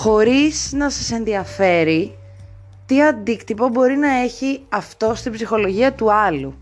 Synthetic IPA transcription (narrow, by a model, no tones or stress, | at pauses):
xo̞ɾiz̥nɐsɐse̞nðiɐfe̞ɾi | t̪iɐnd̪ikt̪ipo̞bo̞ɾinɐe̞çiɐft̪o̞st̪ibzixo̞lo̞ʝiɐt̪uɐlu